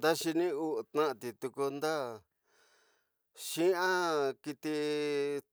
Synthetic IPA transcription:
d̪a˦ʃi˧nĩ˦u˦ʔt̪nã˦ʔã˧t̪i˨t̪u˧ku˧nd̪a˦ | ʃĩ˦ã˦ki˧t̪i˧

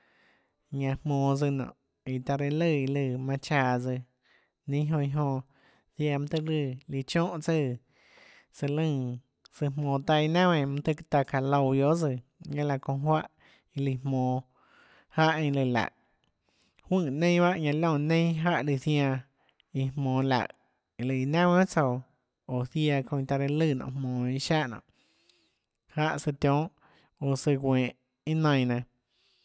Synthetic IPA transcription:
ɲã˧hmõː˧˨d͡zɨ˧nɔ̰̃˨ʔ | i˧t̪a˧ɾe˧lɨ˧˨i˧lɨ˧˨mã˧t͡ʃaː˧˨d͡zɨ˧ | nĩ˦ɦõ˧i˧ɦõ˧ | sja˧˨m̃˧t̪ɨ˦˧lɨ˧li˧t͡ʃõ˦ʔt͡sə˦˧˨ | sɨ˧lɨ̃˧˨ | sɨ˧mõː˨t̪a˧i˧nã˦wẽ˧˨m̃˧t̪ɨ˦kt̪a˧ka˧lo˧˨wjo˦ʔd͡zɨ˧˨ɲã˦la˧kõ˧˨ɦwa˦ʔ | i˧li˧˨mõː˨ | ha˦ʔẽ˧lɨ˧˨la̰˨ʔ | hwɨ̃˦˧˨nẽ˦ba˦ʔɲã˧lõ˦˧˨nẽ˦j̃ɦa˦ʔli˧θj̃ã˧ | i˧hmõː˨la̰˨ʔ | lɨ˧i˧˨nã˦wẽ˦t͡so˧˨w | o˨θja˧kõ˧ĩ˧t̪a˧ɾe˧lɨ˦˧˨nɔ̰̃˧˨hmõː˨i˧ʃa˦ʔnɔ̰̃˧˨ʔ | ha˦ʔsɨ˧t̪jõː˦ʔ | o˧˨sɨ˧ɡʷẽː˨ʔ | i˦nã˧j̃nã˧˨

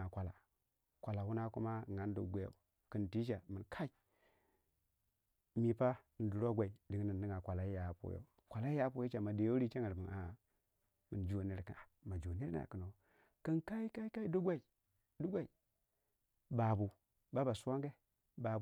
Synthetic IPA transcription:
a˨kʷa˨la̰˨ | kʷa˨la˨hu˦na˦ku˦ma˦˨ŋa˦n˦dṵ˨ɡʷe˦jo̰˨ | kɨ˨nti˦ʃa˨mɨ˨nkʰa˦i˨ | mi˨pa˦˨n̩˨du˨ɾo˦ɡʷa˨i˨di˨ŋ˦ni˨ndi˦ŋa˨kʷa˨la˨i˦ja˨pṵ˦jo̰˦ | kʷa˨la˦i˦ja˦pu˦jo˦t͡ʃa˨ma˨de˨jo˦ɾi˦t͡ʃa˦ŋə˨ɾbə˨a˨ | mɨ˨nd͡ʒo˨ni˦ɾkə̰˨a˨ma˨d͡ʒo˨ni˦ɾna̰˨kə˨no˨˦ | kɨ˦nka˦i˦ka˦i˦ka˦i˦du˦ɡʷa˦i˨ | du˦ɡʷa˨i˨ | ba˨bu˨ | ba˦ba˨su˦wa˦ŋɡe˦ | ba˨

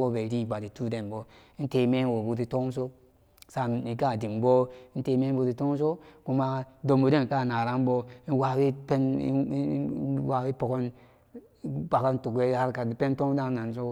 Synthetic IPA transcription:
o˦be˨ɾi˦˨ɡ͡ba˨di˨tu˦de˨nbɔ˦ | n̩˦te˨me˦wo˨bu˦t̬i˨to˦ŋ˦s̬o˦ | sa˦˨n˨i˨ka˦˨di˨mbo˦n̩˦te˨me˦bu˨˦ti˨to˦ŋ˦s̬o˦ku˦ma˦do˨mo˨de˦n˨ka˦˨na˨ɾa˦n˦bo˦wa˦we˦pe˦n˦wa˨we˦po˨ko˦n˦ | ba˨ka˦n̩˦tu˨kwe˦ha˦ɾka˨pe˦n˦to˦ŋ˦da˦na˨n˨s̬o˦

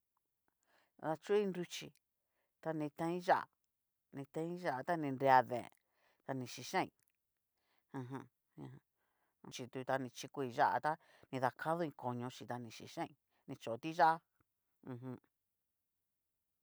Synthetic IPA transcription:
ða˧t͡ʃu˦i˦˧nɾu˧t͡ʃi˧ | t̪a˧nĩ˧t̪ã˧˦ĩ˦ʒa̰˦ʔa̰˨ | nĩ˧t̪ã˧ĩ˦ʒa˦ʔa˧t̪a˦nĩ˧nɾe˧a˧ðḛ̃˨ | t̪a˧nĩ˧ʃi˧ʃã˦ḭ̃˧ | ã˧ɦã˧ | ĩ˧ | t͡ʃi˧t̪u˧t̪a˧nĩ˧t͡ʃi˧ku˧i˧ʒa̰˦ʔa̰˧t̪a˦nĩ˧ða˧kʰa˦ðo˦˧ĩ˧ko˨ɲõ˧ʃi˧t̪a˧nĩ˧ʃḭ˧ʃã˦ĩ˧ | nĩ˧t͡ʃo˨˧t̪i˦ʒa˦a˦ | ũ˧ɦũ˧

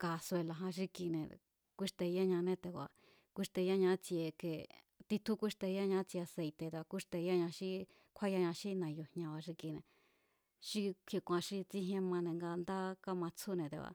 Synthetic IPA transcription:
ka˧se˧la˧ɦã˧ʃ̬i˧ki˧nẽ˨ | kʷi˦ʂt̪e˧ja˦ɲã˧nẽ˦t̪e˧˨kʷa̰˧˨ | kʷi˧ʂt̪e˧ja˦ɲã˧˦t͡si˧e˧ke˧ | t̪i˧t̪ʰu˦kʷi˦ʂt̪e˧ja˦ɲã˧˦t͡si˧e˧a˧se˧jt̪e˧t̪e˧a˧ku˦ʂt̪e˧ja˦ɲã˧ʃi˦ | kʷʰa˦ja˧ɲã˧ʃi˦nã˨jo˧hɲã˧βa˧ʃ̬i˧ki˧nḛ̃˨ | ʃi˦kʰe˧kʷã˧ʃi˦t͡si˦ɦjẽ˦mã˧nẽ˧ŋɡa˧nd̪a˦ka˦mã˧t͡sʰu˦nẽ˧˨t̪ḛ˧βa̰˧

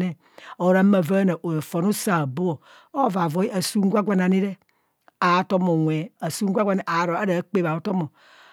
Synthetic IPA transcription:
ne˦˨ | o˨ɾa˦ma˨va˦na˨ʔo˨e˨fɔ˨nu˦sa˨bo˦o˨ | o˦˨va˨vɔ˨˦i˦a˨su˦ŋ˦ɡʷa˦ɡʷa˨na˨ni˦ɾe˦ | a˨˦tɔ˦mo˨wʷɛ˨a˨su˦ŋ˦ɡʷa˦ɡʷa˨na˨ʔa˨ɾo˨a˦ɾa˨˦k͡pe˦˨ba˨o˦tɔ˦mo˨

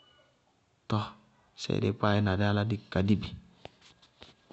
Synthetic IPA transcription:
tɔ˦ | sɛ̰˨dḛ˦k͡pa˦˨ɛ˦na˨dɛ˦a˦la˦di˦˨ka˨di˦˨bi˨

